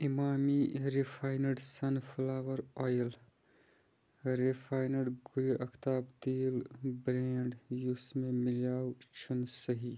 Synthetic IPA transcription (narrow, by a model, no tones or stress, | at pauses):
imaːmiɾipʰaːɪnəɖsɐnpʰlaːʋəɾɔːjəl | ɾipʰaːɪnəɖɡʊɾiʔɐkʰt̪aːb̚d̪iːlbɾẽːɳɖjusmẽmɪlaːwt͡ʃʰunsəɦiː